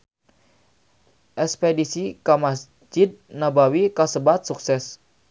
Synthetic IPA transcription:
ʔɛspedisikamas | d͡ʒɪd̪̚nabawikasəbat̪̚suksɛs

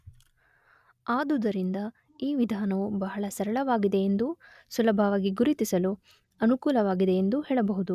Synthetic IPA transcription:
aːd̪ud̪ɐɾind̪ɐ | iːʋid̪ʱaːnɐʋubɐɦɐɭɐsɐɾɐɭɐʋaːɡid̪e̞end̪u | sulɐbʱɐʋaːɡiɡuɾit̪isɐlu | ɐnukuːlɐʋaːɡid̪e̞ːnd̪uhɛːɭɐbɐɦud̪u

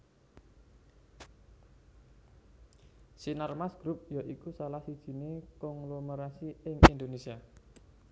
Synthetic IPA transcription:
sinarmasɡ̥ɾup̚jaʔikusalahsid̥ʒ̥i̤nekɔŋloməɾasiɪŋḭnd̪onesia

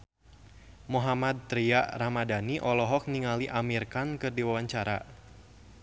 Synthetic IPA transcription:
muɦamad̪̚t̪ɾiaʔramadaniʔɔlɔɦɔk̚niŋaliʔamirkankɨrdiwawaɲt͡ʃaɾa̰

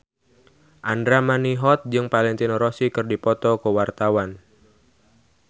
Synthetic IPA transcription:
ʔandɾamaniɦɔt̪̚d͡ʒɨŋpalɛnt̪inɾɔsikɨrdipɔt̪ɔkəwart̪awan

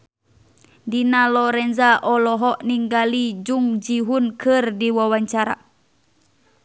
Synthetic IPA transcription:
dinalɔɾɛnzaʔɔlɔɦɔʔniŋɡalid͡ʒuŋd͡ʒiɦunkʰɨrdiwawaɲt͡ʃaɾa̰

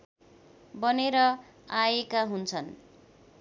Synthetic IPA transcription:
bʌneɾʌajekaɦunt͡sʰʌn

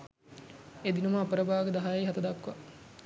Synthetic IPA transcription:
ed̪inuməːpəɾəbaːɡəd̪aɦajejɦat̪ɐd̪akːʋa

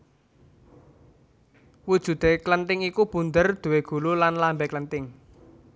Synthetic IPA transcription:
wud̥ʒ̥ṳt̪eklənt̪ɪŋikub̥ṳnd̪ərd̪̥ṳweɡ̥ṳlulanlambɛklənt̪ɪŋ

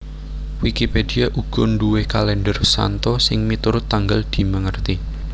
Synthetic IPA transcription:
wikipediaʔuɡ̥ɔnɖuwekalɛnɖərsa̰nt̪ɔsɪŋmit̪uɾʊt̪ːaŋɡəld̪̥i̤məŋərt̪i

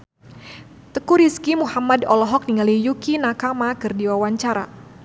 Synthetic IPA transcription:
t̪əkuɾiskimuhamadɔlɔɦɔk̚niŋalijukinakamakɨrdiwawaɲt͡ʃaɾa̰

